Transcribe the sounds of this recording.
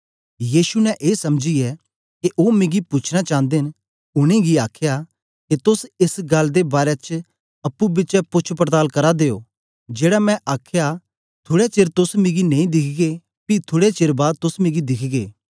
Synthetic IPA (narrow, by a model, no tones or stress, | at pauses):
jiːʃunɛ̃ʔeːsɐmd͡ʒiɛ | keʔoːmẽːɡipʊt͡ʃʰnat͡ʃãːnd̪en | ʊɽ̃ẽɡiaːkʰja | ket̪ʊsɪsɡɐld̪ebaːɾet͡ʃ | ɐpːubɪt͡ʃɛpʊt͡ʃʰpɾt̪aːlkɐɾad̪eːo̰ː | d͡ʒeːɽamɛ̃ʔaːkʰja | t̪ʰʊːɽɛt͡ʃeːɾt̪ʊsmɪ̃ɡinẽːĩd̪ɪkʰɡe | pit̪ʰʊːɽet͡ʃeːɾbaːd̪̚t̪ʊsmɪ̃ːɡid̪ɪkʰɡḛː